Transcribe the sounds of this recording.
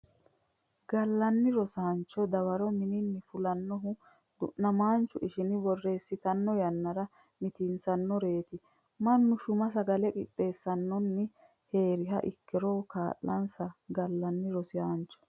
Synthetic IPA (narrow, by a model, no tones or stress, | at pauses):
ɡɐlːɐnːɪɾɔsaːnt͡ʃːɔd̪ɐwɐɾɔmɪnɪnːɪfʊlɐnːɔɦʊ | d̪ʊ̰ʔnɐmaːnt͡ʃːʊʔɪʃɪnɪbɔrːeːsːɪt̪ɐnːɔjɐnːɐɾɐ | mɪt̪insɐnːɔɾe̞ːt̪ɪ | mɐnːʊʃʊmɐs̬ɐɡɐlɛkʼɪ̰t̪ʼːe̞ːsːɐnːɔnːɪ | he̞ːɾɪɦɐ̰ʔɪkːɛɾɔkaːʔːɐnsɐɡɐlːɐnːɪɾɔsɪjaːnt͡ʃːɔ̥